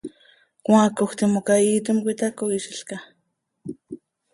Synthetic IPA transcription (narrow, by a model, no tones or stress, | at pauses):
kʷãːkoxt̪imokait̪omkʷit̪akoiʃiɬka